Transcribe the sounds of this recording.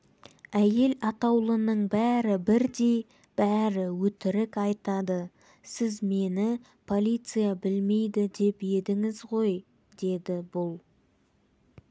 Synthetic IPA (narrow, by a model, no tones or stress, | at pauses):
æje̞lɑt̪ɑwlˠənəɴbæɾɪbɪɾd̪e̞j | b̥æɾɪwɵt̪ɪɾɪkɑjt̪ɑd̪ə | sɪzme̞nɪ | pʰo̞lʲˠijt̪sɨjabɪlme̞jd̪ɪd̪e̞pje̞d̪ɪŋɪzʁo̞j | d̪e̞d̪ɪbʊlˠ